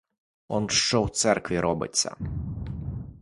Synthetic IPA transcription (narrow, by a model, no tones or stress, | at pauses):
ɔnʃt͡ʃɔwt̪sɛrkʋʲiɾɔbɪ̰t͡sʲːɐ̰